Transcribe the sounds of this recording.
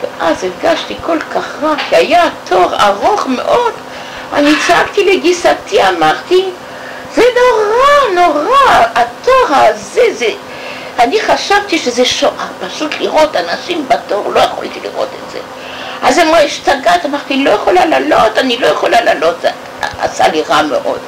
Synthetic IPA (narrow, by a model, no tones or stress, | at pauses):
veʔazifɡaʃtikʰo̞lkaχʁakiajat̪ʰoʁa̰ʁo̞χmḛʔo̞d̪ | a̰nit͡sakt̪ileɡisat̪ʰiamaʁt̪i | zenoʁanoʁaːt̪oʁazeze | aniχaʃavt̪iʃezeʃoʔapaʃut̪liʁo̞tanaʃimbato̞ʁlojeχo̰lt̪ilḭʁo̞̰t̪etz̥ḛ | azemaiʃt͡saɡat̪amaʁt̪ilojaχolalalot̪anilo̞jaχolalalo̞t̪ | a̰a̰sa̰liʁamḛʔo̰d̥̪